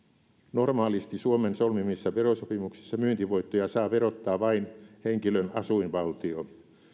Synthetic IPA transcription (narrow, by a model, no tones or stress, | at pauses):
normɑːlist̪isuomensolmimisːɑʋerosopimuksi̥sːɑmyːnt̪iʋoit̪ːojɑsɑːʋerot̪ːɑːʋɑinheŋkilønɑsuinʋɑlt̪io